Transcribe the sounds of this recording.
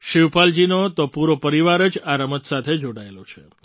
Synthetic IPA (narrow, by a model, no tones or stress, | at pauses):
ʃiʋpald͡ʒinot̪opuɾopəɾiʋaɾəd͡ʒaɾəmət̪sat̪ʰed͡ʒoɽaelot͡ʃʰe